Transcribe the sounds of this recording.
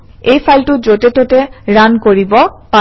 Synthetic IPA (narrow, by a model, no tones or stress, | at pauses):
ejfʰajlʈud͡ʑoʈeʈ̪oʈeɾankoɾibopa